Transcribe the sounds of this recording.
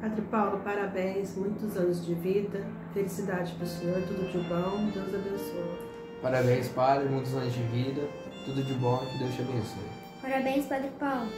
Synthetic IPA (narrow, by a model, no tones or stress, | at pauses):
pad̪ɾɪpawlʊpaɾabẽj̃smũj̃t̪ʊzɐ̃nʊzd͡ʒɪvid̪ɐ | felisid̪ad͡ʒɪpesoɾt̪ud̪ʊd͡ʒɪbɐ̃w̃d͡ʒõzɐbẽsoɐ | paɾabẽj̃spad̪ɾɪmũj̃t̪ʊzɐ̃nʊzd͡ʒɪvid̪ɐ | t̪ud̪ʊd͡ʒɪbɐ̃w̃ɐkɪd̪ewsʃɐbẽsḛɾ | paɾabẽj̃spad̪ɾɪpawlʊ